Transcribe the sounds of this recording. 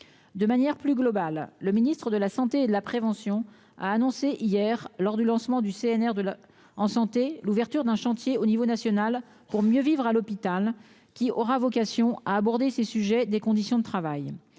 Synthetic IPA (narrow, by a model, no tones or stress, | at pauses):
d̪əmanjɛʁplyɡlɔbalːəminist̪χəd̪əlasɑ̃t̪eːd̪əlapχevɑ̃sjɔ̃ | a̰ːnɔ̃seʔijɛʁlɔʁd̪ylɑ̃smɑ̃d̪yseɛnɛʁd̪ə | ɑ̃sɑ̃t̪eluvɛʁt̪yʁd̪ɛ̃ʃɑ̃t̪jeonivonasjɔnal | puʁmjøvivʁalɔpit̪al | kʲiɔʁavɔkasjɔ̃aːbɔʁd̪esesyʒɛd̪ekɔ̃d̪isjɔ̃d̪ət̪χavaj